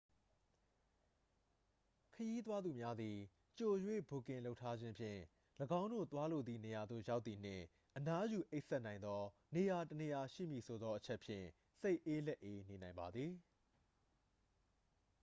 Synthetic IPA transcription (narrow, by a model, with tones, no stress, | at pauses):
kʰəji˦t̪̬wa˦d̪u˨mja˦d̪ði˨ | t͡ɕo˨jwḛ˦˨bo˨kɪ̃˨lo˦ʊtʰːa˦d͡ʑɪ̃˦mpʰjɪ̰̃˦˨ | ləɡã˦ʊ̃ndo̰˦˨t̪wa˦lo˨d̪ði˨ne˨ja˨d̪ðo̰˦˨ja˦ʊt̪θi˨n̥ɪ̰̃˦˨ | ʔəna˦ju˨ʔe˦ʔsɛ˦ʔnã˨ɪ̃nd̪ɔ˦ne˨ja˨təne˨ja˨ʃḭ˦˨mji˨sʰo˨d̪ɔ˦ʔət͡ɕʰɛ˦ʔpʰjɪ̰̃˦˨ | se˦ɪʔe˦lɛ˦ʔe˦ne˨nã˨ɪ̃mba˨d̪ði˨